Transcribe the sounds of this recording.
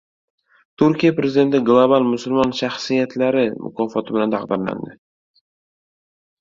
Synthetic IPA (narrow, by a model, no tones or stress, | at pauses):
t̪ʰʊɾkʲijapɾezɪd̪e̞nt̪ɪɡlˠobalˠmʊsʊlmɒnʃaχsijat̪ʰlaɾɪmʊ̰kʰɒːfɒt̪ʰɪbɪlant̪ʰɑqd̪ɪɾla̰nd̪ɪ